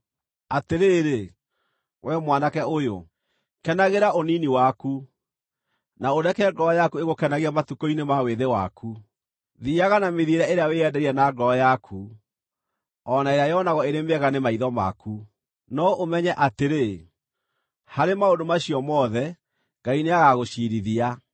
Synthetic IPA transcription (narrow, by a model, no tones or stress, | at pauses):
ateɾeːɾe | wʔɛmwanakɛojo̰ | kɛnaɣeɾaʔoniniwaku | naoɾɛkɛɛɡɔːjakueɣokɛnaɣiamatukɔinemaweðewa̰kʰu | ðiaɣanameðieɾaeɾeaweɛdɛɾiɛnaɡɔjakʰu | ɔnaeɾeajɔnaɣɔeɾemeɛɣanemaiðɔma̰ku | nɔʔomɛɲɛʔateɾe | haɾemaondomaɕiɔmɔðɛ | ŋɡaineaɣaɣoʃiɾiðia